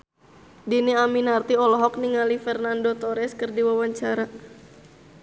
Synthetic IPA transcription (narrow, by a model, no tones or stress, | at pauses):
diniaminart̪iɔlɔɦɔk̚niŋalifɛrnandot̪ɔɾɛskɨrdiwawaɲt͡ʃaɾa